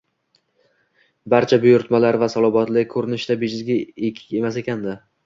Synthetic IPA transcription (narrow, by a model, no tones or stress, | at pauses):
baɾt͡ʃʰabʊjʊɾt̪malaɾvasɒlˠɒbɒt̪lɪkʰɵɾɪnɪʃd̪abed͡ʒɪzɡʲaekʲʰɪ̥kʲe̞mas̬e̞kʲʰand̪ɪ